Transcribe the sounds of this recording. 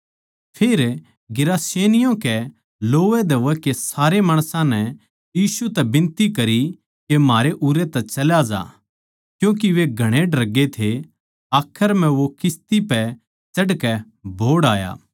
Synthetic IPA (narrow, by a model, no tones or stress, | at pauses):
pʰeːɾ | ɡɪɾaːseːnɪjõkɛ | loːʋɛd̪ɐʋɛkesaːɾemaːɽ̃sãnɛ | jiːsut̪ɛbɪ̃nt̪ikɐɾi | kemaːɾeʔuːɾet̪ɛt͡ʃɐljad͡ʒa̰ː | kjũːk̬iʋeɡʱɐɽ̃eɖɐɾɐɡːet̪ʰe | aːkʰːəɾm̤ɛ̃ʋokɪst̪ipɛ | t͡ʃɐɽkɛ | bʱoːɽaːja̰ː